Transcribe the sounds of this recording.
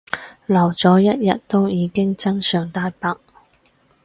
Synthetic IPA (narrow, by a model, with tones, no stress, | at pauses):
lɐ˨˩wt͡sɔː˨˥jɐ˥t̚jɐ˨t̚t̪o˥wjiː˨˧kɪ˥ŋt͡sɐ˥nsœː˨˩ŋt̪aː˧jpaː˨k̚